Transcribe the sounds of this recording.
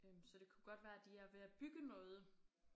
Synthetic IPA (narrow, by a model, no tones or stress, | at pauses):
sɒ̽d̥e̝kʰuɡ̥ɒ̽d̥ʋæːɐd̥iæɐʋe̝æb̥yɡ̥ənɔ̽ːð̞̩ˠə